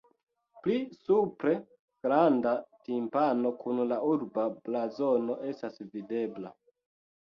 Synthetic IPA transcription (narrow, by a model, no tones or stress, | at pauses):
plisupɾe̞ | ɡ̥ɾandatimpano̞kunlauɾbablazono̞ʔe̞stasvide̞bla̰